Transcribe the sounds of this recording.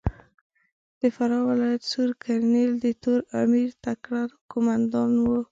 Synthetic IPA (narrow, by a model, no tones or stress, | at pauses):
d̪̥əfaɾɑwɪlɑjat̪suɾkʰaɾneld̪ət̪oɾamiɾt̪akɽaɾkomand̪ɑnwo